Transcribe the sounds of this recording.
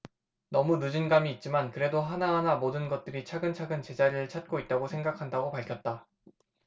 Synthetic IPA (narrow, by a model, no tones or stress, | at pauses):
nʌmunud͡ʑɯnɡamiːt̚t͡ɕ͈imankɯɾe̞doɦanaɦanamodɯnɡʌt̚t͈ɯɾit͡ɕʰaɡɯnt͡ɕʰaɡɯnt͡ɕe̞d͡ʑaɾɯɭt͡ɕʰat̚k͈oit̚t͈aɡosʰe̞ŋɡakʰandaɡopaɭkʰjʌt̚t͈a